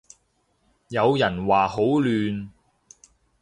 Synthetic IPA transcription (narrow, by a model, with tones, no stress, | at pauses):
jɐ˨˧wjɐ˨˩nwaː˨˩ho˨˥wlyː˨˧n